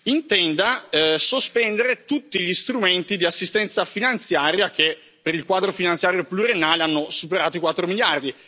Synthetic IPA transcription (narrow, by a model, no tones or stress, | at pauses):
int̪ɛnd̪asospɛnd̪eɾet̪ut̪ːiʎist̪ɾument̪id̪iasːist̪ɛnt̪safinant̪sjaːɾjak̟e | pːeɾilkwaːd̪ɾofinant̪sjaːɾjoplurenːaːleanːosupeɾaːt̪oikwat̪ːɾomiljard̪i